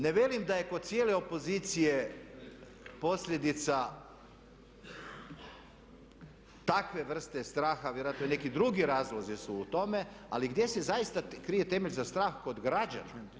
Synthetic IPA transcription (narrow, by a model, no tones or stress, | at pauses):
ne̞ʋjelimd̪aje̞kod̪̥̚t̪sijele̞o̞po̞ziːt̪sije̞ | po̞sʎʲje̞d̪it̪sa | t̪akʋe̞ʋr̩st̪est̪ɾaːxaʋjeɾoat̪none̞kid̪ɾuɡiɾaːzlˠozisuːt̪o̞me̞aliɡd̪je̞se̞zajist̪akɾije̞t̪e̞meʎʲzast̪ɾaːxko̞d̪ɡɾad͡ʑa̰na